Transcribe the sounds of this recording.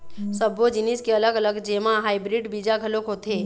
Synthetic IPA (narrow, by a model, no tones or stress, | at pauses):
səbod͡ʒɪnɪskeɐləɡɐləɡd͡ʒeːmãɦaːɪbɾɪɖbiːd͡ʒaɡʱɐlõkɦot̪ʰeː